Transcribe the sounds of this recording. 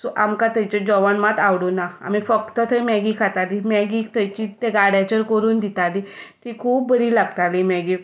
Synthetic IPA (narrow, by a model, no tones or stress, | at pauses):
samkãt̪at͡ɕed͡ʑɔʋanmat̪aʋɽonaa̰mifəkt̪ət̪ʰəmɛɡikʰat̪alimɛɡikt̪at͡ɕit̪eɡaɽat͡ɕəɾkəɾuːnd̪it̪alit̪ikʰuːp̚ːəɾiːlaɡt̪alimɛɡi